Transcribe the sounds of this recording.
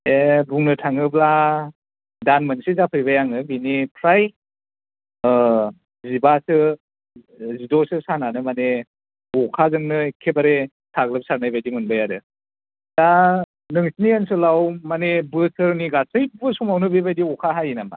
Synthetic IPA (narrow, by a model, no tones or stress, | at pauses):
ebuŋnɯtʰaŋɯbla | danmɯnsizapʰɯjbajaŋɯbinipʰɾaj | zibasɯ | zidɔsɯsananɯmane | ɔkʰazɯŋnɯkʰebaɾe | tʰaɡlɯp̚saɾnajbajdiŋɯnbajaɾɯ | d̥a | nɯŋsiniansɯlawmanebɯsɯɾniɡasɯjbbɯsumawnɯbibajdiɔkʰaɦajinama̰